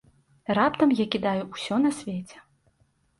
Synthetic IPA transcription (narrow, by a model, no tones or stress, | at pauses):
rapt̪ɐmjakʲid̪ajuusʲɔnɐsʲvʲet͡sʲɛ̥